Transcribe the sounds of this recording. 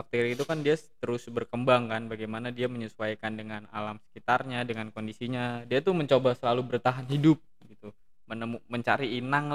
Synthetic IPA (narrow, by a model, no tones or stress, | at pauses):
fak̚t̪eɾiit̪ukandiat̪əɾʊsbərkəmbaŋkanbaɡajmanadiaməɲəsuajkandəŋana̰lamsə̥kit̪arɲadəŋankondisiɲadiat̪uməɲt͡ʃobasəlalubərt̪aɦanɦidʊp̚ | ɡit̪u | mənəmuməɲt͡ʃaɾiːnaŋ